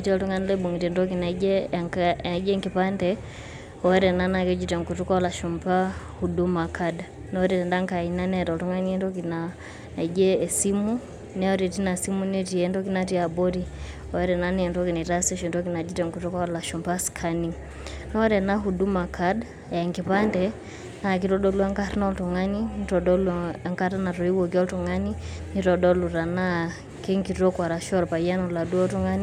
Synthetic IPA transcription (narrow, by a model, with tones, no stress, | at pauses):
iti˦ɔtu˦ŋɡa˦nilɛɓɔ˨ŋi˨tɛndɔ˦k̬inaɛŋ˨i˦d͡ʒɛŋkipa˦ndɛ | ɔɛ˦ɾɛna˦na˨kɛ˦d͡ʒitɛ˨ŋku˨tu˦ka˦ɔla˨ʃumpa˦ | huduma˨kʰad | nɔɾɛtɛ˨nda˦ŋka˨ina˦nɛɾɔtu˦ŋa˦niɛ˦ndɔ˦kina | i˨d͡ʒɛːsimu | nɛ˦ɔ˦ɾɛ˨ti˦na˨simuni˦ti˨ɛndɔki˦nati˦a˨bɔ˦ɾi | ɔɛ˦ɾɛ˨na˦niɛ˨ntɔ˦ki˨ni˨ta˦sɛ˦ʃɔ˨ndɔ˦k̬i˦na˨d͡ʒi˦tɛ˨ŋku˨tɔ˦ka˦la˨ʃɔ˨mpa˦skʰa˦ni | nɔ˦ɾɛ˨na˦ɦu˨du˦ma˨kʰa˦d | ja˨ŋɡi˨pa˦ndɛ | na˨ki˨tɔ˦ɗɔ˦lu˦a˦ŋka˦ɾnɔ˦ltu˨ŋa˦ninitɔ˨dɔ˦lŋka˦ta˦na˨tɔ˨i˦wɔ˨ki˦ɔ˦ltu˨ŋa˦ni˦ | ni˦tɔ˨ɗɔ˦lu˨ɾa˨na˦ | kɛ˦ŋki˨tɔ˦kwa˨ɾa˨ʃɔ˦ɾpa˨ia˦nɔ˨la˨du˦ɔ˦tu˦ŋa˦ni˦